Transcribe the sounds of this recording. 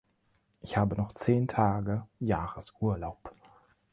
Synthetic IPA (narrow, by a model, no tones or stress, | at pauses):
ʔɪçhaːbənɔχt͡seːntʰaːɡəjaːʁəsʔuːɐlaʊp